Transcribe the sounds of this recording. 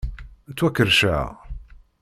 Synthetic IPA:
t͡sːwækːəɾʃaʕ̰

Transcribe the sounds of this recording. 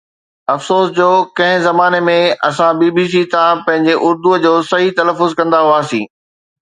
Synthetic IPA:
ɐfsoːsd͡ʑoːkɐ̃ɦɪ̃zɐmaːnemẽɐsãbiːbiːs̬it̪ãpɐ̃ɦɪ̃ɲd͡ʑeʔʊɾd̪ud͡ʑoːsɐɦit̪ɐləfːʊzkɐ̃nd̪aɦuaːsĩː

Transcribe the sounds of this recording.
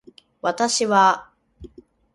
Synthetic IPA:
βat̪aɕiβa

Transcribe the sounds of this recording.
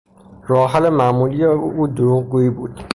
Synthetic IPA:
ɾɔːɦælemæmuːlijeuːd̪oɾuːɣɡuːiːbuːd̪̥

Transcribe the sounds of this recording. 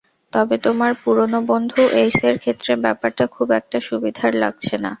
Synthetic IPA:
t̪ɔbet̪omaɾpuɾonobond̪ʱuʔejseɾkʰet̪ːɾebɛpaɾʈakʰubɛk̚ʈaʃubid̪ʱaɾla̰ɡ̚t͡ɕʰena̰

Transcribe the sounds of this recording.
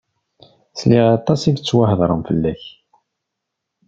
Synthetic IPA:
sliʁɑt̪ˤːɑsivt͡sːwahəðˤɾˤəmfəlːæç

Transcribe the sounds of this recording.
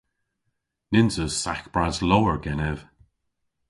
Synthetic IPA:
nɪnzəsakb̥ɹazlowəɹɡɛnɛv̥

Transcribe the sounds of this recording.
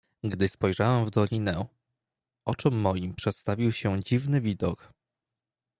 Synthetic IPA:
ɡd̪ɘspɔjʐawɛmvd̪ɔlʲinɛ | ʔɔt͡ʂɔmːɔjimpʂɛt̪st̪avʲiwɕɛd͡ʑivnɘvʲid̪ɔk

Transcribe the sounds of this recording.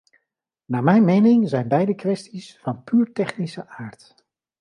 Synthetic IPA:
naːmɛjnmejnɪŋzɛjnbɛjdəkʋɛstisfɑnpyːɹtɛχnisəʔaːɹt

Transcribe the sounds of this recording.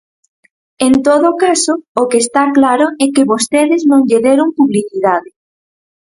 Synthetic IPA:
ent̪oðokasoːkeːst̪aklaɾoɛkɪβost̪eðɪznõŋʎeðeɾoŋpuβliθiðaðɪ

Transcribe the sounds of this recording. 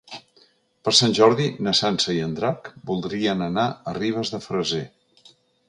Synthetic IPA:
pəɾsanʲʒɔɾðinəsansəiənd̪ɾakbulˠd̪ɾiənənaəriβ̞əzðəfɾəze

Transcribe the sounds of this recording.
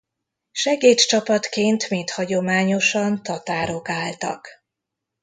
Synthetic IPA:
ʃɛɡeːt̪t͡ʃɒpɒt̪keːnt̪meːt̪hɒɟo̞maːɲo̞ʃɒnt̪ɒt̪aːɾo̞kaːlt̪ɒ̰k

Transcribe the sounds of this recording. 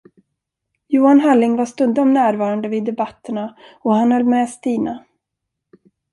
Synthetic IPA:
juːanɦalːɪŋvaʂt̪ɵnd̪aɔmnæːɾvɑːɾand̪əviːd̪ːɛbat̪ʰːəɳaɔhanhɔlːmɛːst̪iːna

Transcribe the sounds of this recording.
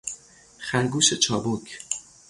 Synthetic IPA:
χæɾɡuːʃet͡ʃʰɒːbokʰ

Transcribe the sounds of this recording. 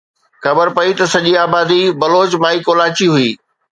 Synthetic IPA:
xɐbəɾpɐit̪ɐsɐʄiaːbaːd̪ibɐloːt͡ɕmãːikoːlaːt͡ɕiɦʊiː

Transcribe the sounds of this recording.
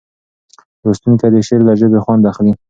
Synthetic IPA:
ɾost̪unt̪ad̪eʃeɾd̪aʒəbexwand̪axli

